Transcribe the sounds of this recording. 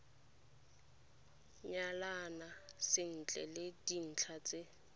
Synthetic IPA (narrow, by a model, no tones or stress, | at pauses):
ɲalanasɪn̩t͡ɬʼɛ̰ledin̩t͡ɬʰat͡sʼɪ